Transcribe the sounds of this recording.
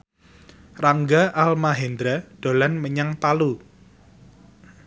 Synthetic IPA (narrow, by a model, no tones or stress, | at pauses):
raŋɡaʔalmaɦɛnd̪ɾaɖ̥o̤lanməɲaŋt̪alu